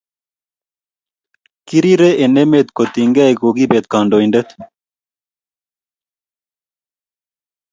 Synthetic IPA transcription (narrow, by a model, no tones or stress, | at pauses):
kiɾiɾeʔenemeːt̪kot̪iŋɡɐeɡoːɡibeːt̪̚kaːɳɖoːinɖet̪